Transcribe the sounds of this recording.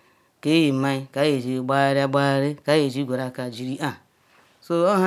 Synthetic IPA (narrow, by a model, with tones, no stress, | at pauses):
ke˦ji˨ma˦i˦ka˦je˨d͡ʒi˨ɡ͡ba˦ɾa˦ɡ͡ba˦ɾe˦ka˨˦je˨d͡ʒi˦ɡʷe˨ɾa˦˨ka˨d͡ʒi˨ɾi˦ʔa˨ | so˦o˦ɦa˦